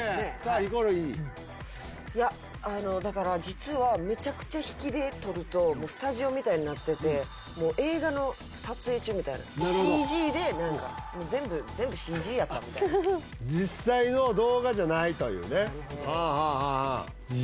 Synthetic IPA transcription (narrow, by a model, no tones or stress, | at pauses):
koɾoi | ja | ano̞d̪akaɾad͡ʑit͡sɨβame̞t͡ɕakɯ̟̥t͡ɕaçi̥kʲid̪e̞t̪o̞ɾɯ̟t̪o̞mo̞ːsɨ̥t̪aʑio̞mʲit̪aiɲ̟inat̪ːe̞t̪e̞ | mo̞ːʔe̞ːɡano̞ | sat͡sɨe̞ːt͡ɕɨːmʲit̪aḭna̰naiʑiːd̪e̞nãŋka̰moːzẽ̞mbɯ̟zẽ̞mbɯ̟ɕiːʑiːjat̪ːamʲit̪a̰n | d͡ʑisːaino̞d̪o̞ːɡaʑanait̪o̞̰jɯ̟̰ːne | eaːɦaːɦa